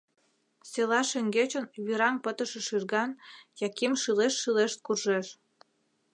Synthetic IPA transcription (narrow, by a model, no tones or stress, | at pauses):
selɑʃeŋɡet͡ɕənβiɾɑŋpət̪ə̆ʃĕʃyrɣɑnjɑkimʃɯleʃːɯleʃt̪̚kurʒeʃ